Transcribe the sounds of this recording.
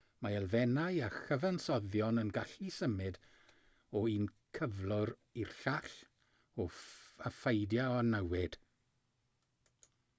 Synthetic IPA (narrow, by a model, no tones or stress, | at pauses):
maɛlˠvɛnajaxəvansɔðjɔnənɡaɬisəmɨd | ɔiːnkʰəvlˠʊɾirɬaɬ | ɔafejdjaɔnəwɪd̥